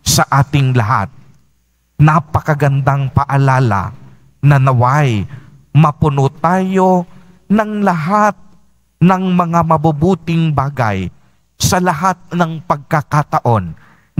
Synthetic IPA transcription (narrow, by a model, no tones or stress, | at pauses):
sɐʔaːt̪ɪŋlɐɦa̰t̪̚ | nɐpɐkɐɡɐnd̪aŋpɐʔɐlaːlɐ̰ | nɐnɐwaj | mɐpʊnot̪aːjo̞ | nɐŋlɐɦat̪̚ | nɐŋmɐŋamɐbʊbuːt̪ɪŋbaːɡɐ̰j | sɐlɐɦat̪̚nɐŋpɐɡ̚kɐkat̪ɐʔo̞n